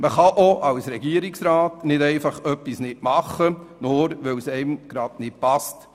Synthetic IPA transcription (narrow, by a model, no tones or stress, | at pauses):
məχɑʔoʔɑwsɾɛɡiəɾɪksɾɑːtnɪdɛɪfɑχœpːisnɪtmɑχːənʊːɾʋɛwsɛɪmɡ̥ɾɑdnɪt̚pɑst